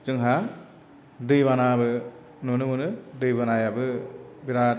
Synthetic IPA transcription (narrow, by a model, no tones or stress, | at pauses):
d͡ʒɯŋɦa | dɯjbanabɯ | nunɯmɯnɯdɯjbanajabɯbiɾa